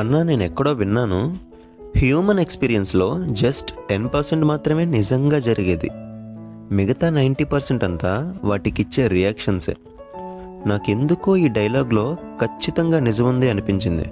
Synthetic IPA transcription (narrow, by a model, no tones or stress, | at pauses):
ɐnːaːne̞ːnɛkːɐɽo̞ːʋinːaːnu | hjuːmɐne̞kspiːɾijɐnslo̞ːd͡ʒɐsʈʈe̞npɐɾseɳʈmaːt̪ɾɐme̞ːnid͡ʒɐŋɡaːd͡ʒɐɾiɡeːd̪ḭ | miɡɐt̪aːnɐjɳʈiːpɐɾseɳʈɐnt̪aːʋaːʈikit͡ʃːeːɾijaːkʂɐnsḛː | naːke̞nd̪ukoːiːɖɐjɐlaːɡlo̞ːkʰɐt͡ʃːit̪ɐŋɡaːnid͡ʒɐmund̪iɐnipiɲt͡ʃind̪ḭ